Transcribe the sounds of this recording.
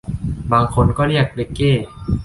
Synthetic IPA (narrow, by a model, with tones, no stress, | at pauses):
baː˧ŋkʰo˧nkɔː˥˩ɾi˥˩ək̚le˧˥kːeː˥˩